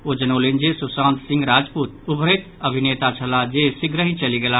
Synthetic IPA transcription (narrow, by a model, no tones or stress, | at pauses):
od͡ʒənoːlend͡ʒesʊsãːnt̪sɪ̃ŋɡɾaːd͡ʒpuːt̪ʊbʱəɾet̪ɐbʱɪneːt̪at͡ʃʰəlad͡ʒesɪɡɾəɦĩt͡ʃɐliɡela